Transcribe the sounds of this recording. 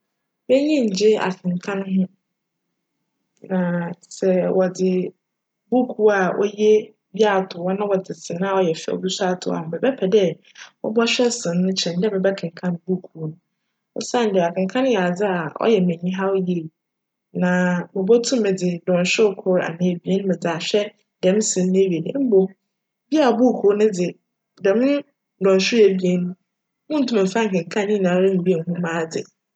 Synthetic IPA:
bɛ˦ɲĩ˦ɲ̩˨d͡ʑɪ˦a̰˨kʰɪ̃˨ŋkʰã˦n˦ɦʊ̃˦ | nã˨sɛ˨wʔɔ˨d͡zɪ˨ | bu˦kʰu˦a˨ʔɔ̰˦je˦ | bi˦a˦˨tʰʊ˨wɔ˦nã˦wɔ˨d͡zɪ˨sɪ̃˨nã˦ɔ˦˨jɛ˨fɛ̰˦˨ɔ̰˨bi˦sa˦tʰʊ̰˨a̰˨hʊ̃˨bɛ˨bɛ˦pʰɛ˨dɛ˦ | wɔ̰˦bɔ˦ɕᶣɛ˦sɪ̃˨nː˦ʊ̃˦t͡ɕʰɛ̃˨ndɛ˦mɛ̃˨bɛ˦kʰɪ̃˨ŋ̩˨kʰã˦nbu˦kʰu˦nʊ̃˨ | ɔ̰˦sã˦n˨dɛ˨a˨kʰɪ̃˨ŋ˨kʰã˦nʊ̃˦jɛ˨a˨d͡zɪ˦a˨ɔ̰˦jɛ˨mɛ̃˨ɲĩ˦ɦa˦wje˦˨ | nã˨mɪ̃˨bɔ˦tʰũ˦mːɪ̃˨d͡zɪ˨dɔ̃˨n˨ɕᶣʊ˦kʰʊ˦ɾa̰˨nɪ̃˨˦˨bi˦e˦ñ˦mɪ̃˨d͡zɪ˨a˨ɕᶣɛ˦ | dɛ̃˨˦m˦sɪ̃˨˦n˦nɪ̃˦ɥe˨ñ̰˦m̩˦bo˨ | bi˦a˨bu˦˨kʰu˨˦nʊ̃˦d͡zɪ˨ | dɛ˨mʊ̃˦ | dɔ̃˨n˨ɕᶣʊ˦e˨bi˦e˦nũ˦ | mʊ̃˦n̩˦tʰũ˦mɪ̃˨fã˦ŋ̩˨kɪ̃˨ŋ˨kʰã˦n˦ĩ˦˨nã˨˦ɾã˦ŋ̩˨bi˦e˨n˨ɦũ˦mãː˦˨d͡zɪ˨

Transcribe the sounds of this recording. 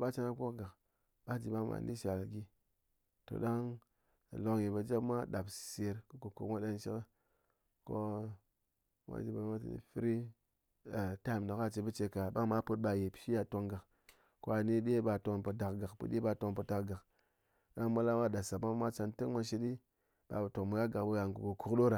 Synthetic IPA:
ba˦t͡ʃa˦na˦kʷo˦kɡa˨k | ɓa˦d͡ʒi˨ɓa˦ma̰˨ndḭ˦ʃa˨lɡi˦ | to̰˨ɗa˦ŋ˨ | lo˨kji˨ba˨d͡ʒa˦bmʷa˦ɗa˨bse˨ɾkɨ˦ko˨ko˨mʷa˦ɗa˦nʃi˦kə˦ | ko˦ | mʷa̰˦d͡ʒi˨ba˨˦ma˦tɨ̰˨nḭ˨fi˦ɾi˦˨ | ta˦˨m˨na˨ka˦t͡ʃe˨bə˦t͡ʃe˧ka˨ɓa˦ŋma˦pə˦t̚ɓa˨je˨pi̥˨ʃi˦ja˨to˧ŋɡa˨k | ko˦a˨ni˦ɗe˦ba˨to˨npə˨da˨kɡa˨kpɨ̰˨ɗʲe˦ɓa˨to˧ŋpə˨ta˨ɡa˨k | ɗa˦ŋma˦la˦ma˦da˨sa˨ma˦mʷa˦t͡ʃa˧ntɨ˦kma˦ʃi˦ɗi˦ | ɓa̰˨bə˨to˨ŋmə˨ɡa˦ɡa˨kbə˦ɡa˨ŋ˨ɡu˨ku˨ku˨kɗo˦ɾa˨

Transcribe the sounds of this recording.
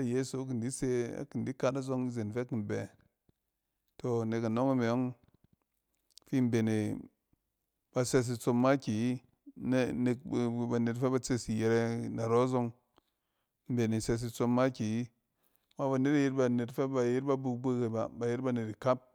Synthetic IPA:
a˦je˦so˨˦k̬i˨ndi˦se˧a̰˨ki˨n˨di˦ka˧ta˦zo˧ŋi˦ze˨nfe˦ki˨m˨be˨ | to˨ne˨ka˨no˦ŋi˦me˨jo˦ŋ | fi˦m˦be˨ne˨ | b̥a˨se˧s̬i˧t͡so˧mːa˦kʲi˨˦ | n˦ne˧k̚ba˨ne˨tfe˦ba˧t͡se˦si˨je˧ɾe˧na˨ɾo˦zo˧ŋ˦ | m̩˦be˨ne˨se˧s̬i˧t͡so˧mːa˦kʲi˨i˦˨ | ma˦ba˨ne˦ta˨ji˦ɾba˧ne˨tfe˦ba˧ji˦ɾba˦bu˧k̚be˦ke˨ba˨ba˨ji˦ɾba˧ne˨ti˨ka˦p̚

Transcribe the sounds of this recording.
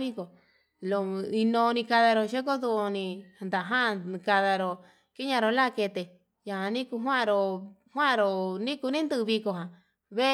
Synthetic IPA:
βi˦ko˨ | lo˧˨i˧nõː˧nĩ˧ka˧ða˧ɾo˧ʃe˦ko˦ðu˧nĩ˧˨nd̪a˨ɦã˦˧ka˧ða˧ɾo˧ | ki˦ɲã˧ɾo˧la˦˧ke˧t̪e˧ | ja˨hã˨˧nĩ˦ku˧ɦwã˦˧ɾo˧hwã˦˧ɾo˧˨nĩ˦ku˧nĩ˦nd̪ɨ˧βi˧ko˧ɦã˨ | βe˦

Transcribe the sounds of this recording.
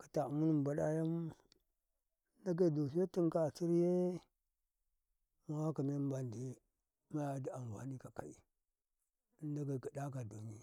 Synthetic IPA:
ka˨ta˨mu˦ni˦m˨ba˨ɗa˦ja˦m˦ | nda˦ɡa˦˨do˨s̬i˦a˦ti˦ŋka˨t͡ʃi˦ɾje˦ | ma˦wa˦ka˨me˦m˦ba˨ndi˨˦ | ma˦ja˦di˨a˨m˨ɡʷa̰˨ni˦ka˨ka̰˨ḭ˨˦ | n˦da˦ɡa˨ɡa˨da˦ka˨do˨ɲi˦

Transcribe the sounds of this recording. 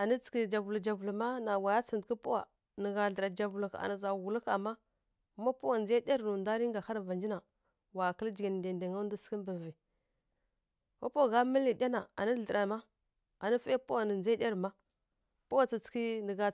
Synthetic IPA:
a˨ni˦t͡ski˦d͡ʒa˨vu˨lu˨d͡ʒa˨vu˨lu˨ma˦na˨wa˨ja˦t͡si˨ndki˦pu˦wa̰˨ | nə˨ɣa˨ɮə˨ɾa˨d͡ʒa˨vu˨lu˨ka̰˨na˨za˨wu˨lu˦ka̰˨mːa˦ | ma˦pu˦wa˨nd͡ʒe˦di˦a˦ɾnu˨nda˦ɾi˦ŋɡa˨ha˦ɾva˨nd͡ʒi˦na˨ | wa˨kə˦ld͡ʒi˨ɡi˨n˨de˨nde˨ŋa˦n˦di˦ski˦m˦bə˨vi˨ | ma˦po˦˨ɣa˦mə˦li˨dʲa˦na˨a̰˨ni˦ɬə˨ɾa˨ma˦ | a˨ni˦fa˦pu˦wa˨nə˨nd͡ʒe˦dʲi˦a˦ɾma˦ | pu˦wa˨t͡si˨t͡ski˦nə˨ɡa˨

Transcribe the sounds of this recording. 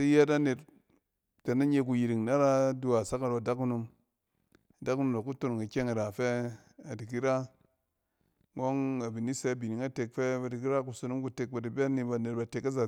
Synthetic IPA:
i˦je˦ta˦ne˨t̚ | te˨na˦ɲe˧k̬u˨ji˨ɾi˨ŋna˦ɾa˦du˦a˨sa˦ka˨ɾo˨da˦ku˦nu˧m | a˨da˦ku˦nu˨ma˨ku˦to˦n˨ŋi˨kʲe˦ŋi˨ɾa˨fe˦ | a˨di˨k̬i˦ɾa˦ | ŋo˦ŋa˨bi˨ni˦se˦bi˨ni˨ŋa˦te˨k̚fe˦ba˨di˨k̬i˦ɾa˦ku˨so˦nu˦mku˦te˨k̚ba˨di˨be˦ni˦ba˨ne˨t̚ba˨te˨ka˦za˨

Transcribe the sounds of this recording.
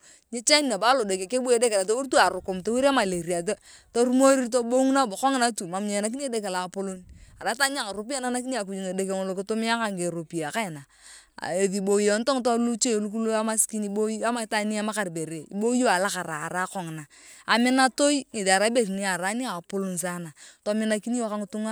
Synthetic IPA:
ɲe˦t͡ʃa˦ni˨na˨ba˦lo˨do˨ke˨ke˦bu˦e˨˦de˦ke˨la˨t̬o˦wu˦ɾtu˦a˨ɾʊ˨kʊ˨mto˦wu˦ɾi˦a˦ma˨le˨ɾi˨a˨˦ | to˦ɾu˦mo˦ɾi˦t̬o˦bo˦ŋ˦na˦bo˨kɔ˦ŋɪ˦na˦tu˨ma˨m˦ɲe˨na˦k̬i˦ni˦e˦de˦ke˨la˨po˦lo˦na˨ɾa˨˦ta˦ɲ˦a˨ŋa˨ɾo˨p̬i˦a˦na˦na˦k̬i˦ni˦a˨k̬u˨d͡ʒu˨ŋe˨de˦ke˨ŋo˨lo˨kɪ˦to˦mi˦a˦ka˦˨ŋke˨ɾo˨pi˨a˨ka˦ɪ˨na̰˨ | e˨ði˨bo˨i˦o˨˦n˦to˦ŋto˦lu˦t͡ʃe˦˨lu˦ku˦lu˦a˦ma˦ski˦ni˦bo˦a˦ma˨˦ta˦ni˦a˦ma˦ka˨ɾbe˨ɾe˨ḭ˦bo˦o˦a˨la˦ka˨ɾaː˨ɾa˦kɔ˨ŋ˨naː˨ | mɪ˦na˦to˦i˦ŋe˨da˨ɾa˦be˦˨ɾni˦a˨ɾa˨˦ni˦a˨po˦lo˨n˨s̬a˦na˨to˦mɪ˦na˦ki˦ni˦jo˦ka˦ŋɪ˦tu˦ŋa˦

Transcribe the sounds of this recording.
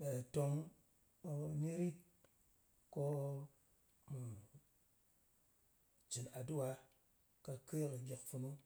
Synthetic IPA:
ɓe˨to˦ŋ˦ | ni˦ɾi˦t̚ | ko˦ | mu˨ | t͡ʃi˨na˨du˦wa˨˦ | ka˨ke˦kə˨ɡe˨kfu˨nu˦

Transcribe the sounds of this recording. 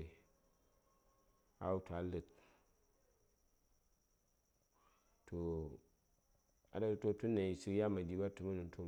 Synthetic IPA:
a̰˨u˦ta˨lɨ˨t̚ | to˨ | a̰˨da˦to˦tu˦nːa˨i˨si˦kja˦ma˨d͡ʒi˦ba˦tu˦ma˦nu˨˦to˦

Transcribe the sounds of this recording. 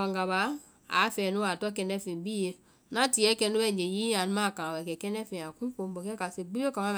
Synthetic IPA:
a˨ŋɡa˨ba˨˦ | a̰˨˦fɛ˨nu˦a˨tɔ˦kɛ˧˨nɛ˦fĩ˨bi˦je˨˦ | na˦ti˨˦ɛ˦kɛ˦nu˦bɛ˦˨d͡ʒe˨ji˦a˨n˦ma˦˨kã˨wɛ˨kɛ˨kɛ˦nɛ˦fẽ˨a˨ku˦ko˦m˦bo˨kɛ˦ka˨se˨ɡ͡bi˦o˦ka˨ma˦m˨

